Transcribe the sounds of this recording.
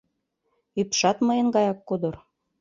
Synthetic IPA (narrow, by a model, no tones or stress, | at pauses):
ypʃɑt̪mɤjənɡɑjɑkːod̪ɤ̆r